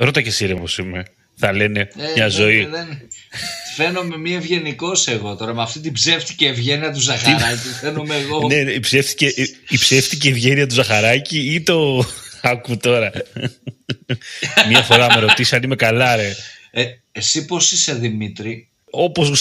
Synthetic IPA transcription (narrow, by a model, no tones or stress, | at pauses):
ɾo̞t̪ɐcesiɾiopo̞sime̞ | θɐle̞ne̞ɲɐzo̞iðen | fe̞no̞me̞mievʝe̞niko̞seɣo̞t̪o̞ɾɐmɐft̪it̪̬ibze̞ft̪i̥ceːvʝeniɐt̪̬uzɐxɾɐcifenomeːɣone̞ipsefθi̥ceipseft̪iceːvʝeniɐt̪uzɐxɐɾɐciit̪o̞ɐkut̪o̞ɾɐ | miɐfo̞ɾɐmeɾo̞t̪isiɐnime̞kalɐɾee | esiposiseðimit̪ɾi | o̞poz